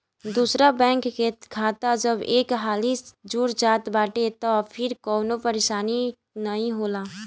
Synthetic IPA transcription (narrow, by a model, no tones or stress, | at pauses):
d̪uːsɾabɛ̃ːŋkːekʰaːt̪ad͡ʒəbeːkɦaːlisd͡ʒuːɾd͡ʒaːt̪baːʈet̪ɔpʰɪɾkɔːnopəɾeːʃaːni | nəɦĩɦoːlaː